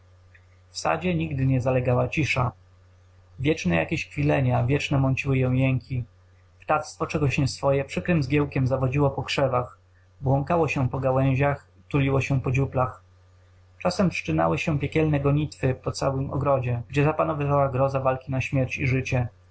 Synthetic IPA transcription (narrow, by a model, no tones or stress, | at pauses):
fsa̰d͡ʑɛɲiɡd̪ɘɲɛzalɛɡawat͡ɕiʂa | vʲjɛt͡ʂnɛjʔa̰kʲeɕxfʲilɛɲavʲjɛt͡ʂnɛmɔnt͡ɕiwɘjɔ̃w̃jɛŋkʲi | pt̪at̪st̪fɔt͡ʂɛɡɔɕɲɛsfɔjɛpʂɘkɾɘmzɡʲjɛwkʲɛmzavɔd͡ʑiwɔpɔkʂɛvax | bwɔŋkawɔɕɛpɔɡawɛ̃w̃ʑax | t̪ulʲiwɔɕɛpɔd͡ʑuplax | t͡ʂasɛmʂt͡ʂɘna̰wɘɕɛpʲjɛkʲɛlnɛɡɔɲit̪fɘpɔt̪sawɘmʔɔ̰ɡɾɔd͡ʑɛɡd͡ʑɛzapanɔvɘvawaɡɾɔzavalkʲinaɕmʲjɛɾt͡ɕiʐɘt͡ɕɛ